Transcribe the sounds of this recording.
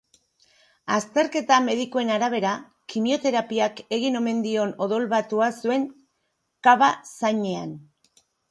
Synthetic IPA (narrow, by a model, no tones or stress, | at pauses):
ast̪e̞ɾke̞t̪ame̞ð̞ikoe̞naɾaβ̞e̞ɾa | kimio̞t̪e̞ɾapiake̞ɣino̞me̞nd̪io̞no̞ðo̞lβat̪uasue̞ŋ | kaβasaɲe̞an